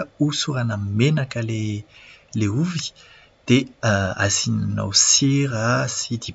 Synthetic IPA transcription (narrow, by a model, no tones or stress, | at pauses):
usuɾanamenakəle | leuvi̥ | d̪̥ea̰zinna̰wsiɾasid̪i